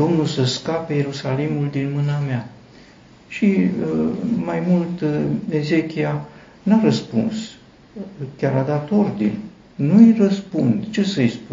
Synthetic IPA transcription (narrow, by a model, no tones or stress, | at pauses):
d̪o̞mnulsəskapeje̞ɾusalimuld̪inmɨnamea | ʃi | majmult̪e̞zekʲia | naɾəspuns | kʲaɾad̪at̪o̞rd̪inʲ | nujrəspund̪t͡ʃe̞səjspu